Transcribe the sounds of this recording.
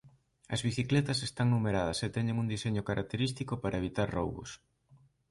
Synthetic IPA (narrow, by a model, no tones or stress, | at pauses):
ɐzβiθiklɛt̪ɐsest̪aŋnumeɾað̞ɐset̪ɛɲeŋuŋd̪iseɲʊkaɾʔak̚t̪eɾist̪ikʊpaɾʔɐeβit̪aɾro̰wβʊ̰s